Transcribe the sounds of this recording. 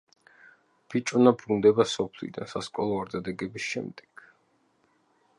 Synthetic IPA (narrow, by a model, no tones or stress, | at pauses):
b̥it͡ʃʼvnabɾund̪ɛbasɔpʰlḭd̪a̰nsaskʼɔlˠɔaɾd̪ad̪ɛɡɛbisʃɛ̰md̪ɛkʰ